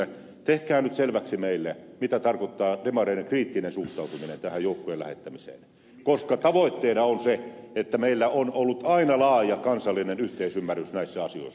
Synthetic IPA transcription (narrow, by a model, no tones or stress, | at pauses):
e | t̪ehkæːnyt̪selʋæksimeilːemit̪æt̪ɑrkot̪ːɑːdemɑreinekriːt̪ːinensuht̪ˑɑˑut̪uminḛnt̪æhæjoˑukːojelæ̰hḛt̪ːæmisḛːn | koskɑt̪ɑʋoˑit̪ːeːnɑonseet̪ːæmeilːæonolːut̪ɑinɑlɑːjɑkɑnsɑlːinenyht̪eisymːærːˑysnæisːæɑsio̰ˑisː